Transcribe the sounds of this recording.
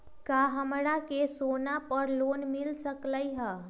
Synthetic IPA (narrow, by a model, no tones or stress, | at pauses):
kaɦəmɾakesonapəɾlonmilsəkləjɦə